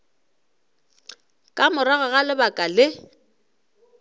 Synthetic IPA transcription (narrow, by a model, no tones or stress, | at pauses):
kʼamʊɾaɣʊɣalɪbakʼalɪ